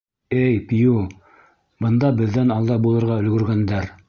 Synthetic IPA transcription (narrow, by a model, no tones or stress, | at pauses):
ɘjpju | bɤ̆nd̪ɑbɘ̆ðːænɑlˠd̪ɑbulˠɤ̆ɾʁɑɵ̆lɡɵ̆ɾɡænd̪æɾ